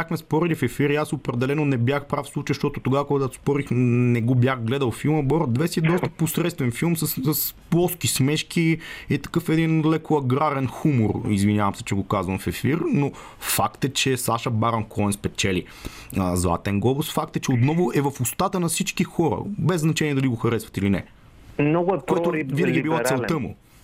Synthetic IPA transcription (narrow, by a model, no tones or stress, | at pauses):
axmɛspɔɾɛlifɛfiɾiasopɾɛd̪ɛlɛnonɛbʲjaxpɾafslˠut͡ʃijəʃt̪ɔt̪ʊt̪oɡavəkoɡɡ̪at̪o̥spɔɾixnɛɡobjaxɡlɛd̪əlˠfilˠməbɔɾd̪vɛsiɛd̪ɔst̪ə̥posɾɛt̪t̪vɛnfilˠmsɐsəsplˠɔskismɛʃkiit̪ɐ̥kɤfɛd̪inɐlɛkʰoɐɡɾaɾɛnxumoɾizvinjavɐmsɛ̥t͡ʃɛɡokazvəmfɛfiɾno | fakt̪ɛt͡ʃɛsaʃəbaɾɐnkʰɔɛnspɛt͡ʃɛli | əzˠa̰t̪ɛŋɡɔbʊsfak̚t̪ɛt͡ʃɛot̪nɔvʊɛvɐfʊst̪at̪ənɐfsit͡ʃkixɔɾə̰bɛzːnɐt͡ʃɛniɛd̪ɐliɡoxɐɾɛsvɐt̪ilinɛ̰ | mnɔɡʊɛkoɛʊvinɐɡiɛɛbilat̪ɛlˠt̪əmʊ̰